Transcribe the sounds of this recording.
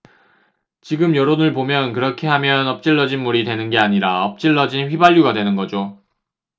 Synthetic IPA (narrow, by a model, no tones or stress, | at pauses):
t͡ɕiɡɯmjʌɾonɯɭpomjʌnkɯɾʌkʰe̞ɦamjʌnʌp̚t͡ɕ͈iɭːʌd͡ʑinmuɾidtwe̞nɯnɡe̞aɲiɾaʌp̚t͡ɕ͈iɭːʌd͡ʑinɸɥibaʎːuɡadwe̞nɯnɡʌd͡ʑo